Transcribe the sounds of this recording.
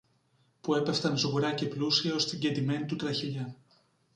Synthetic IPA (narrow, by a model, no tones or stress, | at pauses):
pue̞pe̞ft̪ɐnsɣuɾɐce̞plusiɐo̞st̪iiɲɟet̪ime̞nit̪ut̪ɾɐçiʎɐ